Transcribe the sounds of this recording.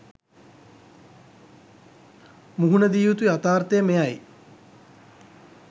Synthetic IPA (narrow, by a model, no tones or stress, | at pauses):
muɦunəd̪iːʋut̪ujat̪aːrt̪ejəmejaj